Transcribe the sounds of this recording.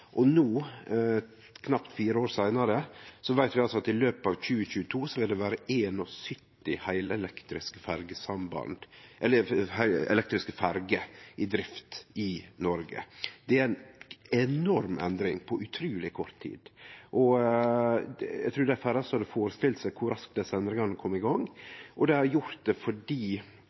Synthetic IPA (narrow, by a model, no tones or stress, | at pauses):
ʔɔnuː | kʰnɑpt̪fiːɾəoːɾsæɪnɑɾəsɔʋæɪt̪ʋɪɑlsɔɑt̪ɪløːpɑʋc͡çʉːəçʉːət̪ʰuːsɔʋɪld̪ɛʋæːɾəʔeːnɔsʏt̪ːɪhæɪlɛlɛkt̪ɾɪskəfæɾɡəsɑmbɑ̰nd̪̥ʔɛlːəhæɪɛ̰lɛk̚t̪ɾɪskəfæɾɡəɪd̪ɾɪft̪ɪnɔɾɡə̰d̪̥ɛæɾæɪnɛnɔɾmʔɛ̰nd̪ɾɪŋpʰɔʔʉt̪ʰɾʉːlɪkʰɔɾt̪ʰːḭːd̪̥ʔɔ | jæ̰ɡt̪ʰɾʉːd̪æfæɾɑsɔhɑd̪əfoːɾəst̪ɪlsækʰʊɾɑsk̚d̪ɛsəɛnd̪ɾɪŋɑnəkʰɔmːɪɡɑŋʔɔd̪ɛhɑɾjʊɾt̪̚d̪ɛfɔɖiː